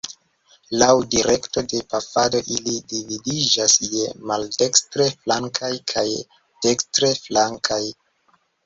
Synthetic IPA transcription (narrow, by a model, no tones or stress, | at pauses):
lawdiɾe̞kto̞de̞pafado̞ʔilidividid͡ʒasje̞malde̞kstɾe̞flaŋkʰajkʰaj | d̥e̞kstɾe̞flaŋkʰaj